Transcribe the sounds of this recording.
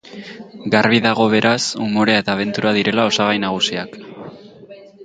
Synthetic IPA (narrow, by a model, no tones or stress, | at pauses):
ɡarβiðaɣ̞o̞βe̞ɾʔasumo̞ɾeae̞t̪aːβ̞e̞nt̪uɾaðiɾe̞lao̞saɣajnaɣ̞usiak